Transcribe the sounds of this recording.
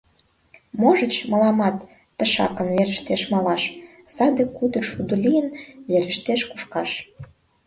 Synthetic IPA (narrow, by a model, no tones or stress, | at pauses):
moʒə̆t͡ɕmə̆lɑmɑt̪ː | ə̆ʃɑ̰kə̆nβeɾə̆ʃt̪eʃmɑlɑʃ | sɑd̪ekud̪ə̆rʃud̪ulʲijənβeɾə̆ʃt̪eʃku̥ʃkɑʃ